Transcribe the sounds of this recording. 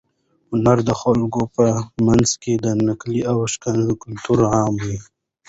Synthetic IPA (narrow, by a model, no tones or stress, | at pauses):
hʊnaɾd̪əxolɡopəmanzked̪ənakliawʃkanzəkʊlt̪uɾʕɑːmwi